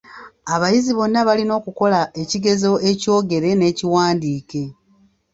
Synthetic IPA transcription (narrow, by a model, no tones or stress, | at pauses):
aβajiziβo̞nːaβalino̞ːkuko̞laʔe̞ciɡe̞zo̞e̞co̞ːɡe̞ɾe̞ne̞ːciwaːndiːke̞